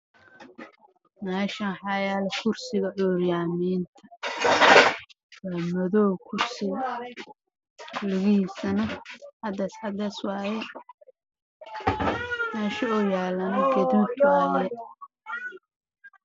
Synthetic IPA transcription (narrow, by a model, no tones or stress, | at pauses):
mɛːʃɐnħɑjaːlɛkʰʊrsɪɣɐʕuːɾjaːmiːnt̪ʰɐ̥ | waːmɐðɔːwkʰʊrsɪɣɐ | lʊɣɪhiːsɐnɐħɑd̪ɐsħɑd̪ɐswɑːjɛ | mɛːʃɐɔːjaːlɐnɐɡɐðubtaːjɛ